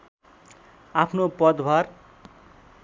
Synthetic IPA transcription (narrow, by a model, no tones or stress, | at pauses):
apʰnopʌd̪bʱar